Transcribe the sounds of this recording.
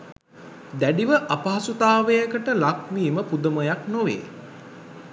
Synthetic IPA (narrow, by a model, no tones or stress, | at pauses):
d̪æɖiʋəʔapaɦasut̪aːʋəjəkəʈəlak̚miːməpud̪əməjaknoʋḛː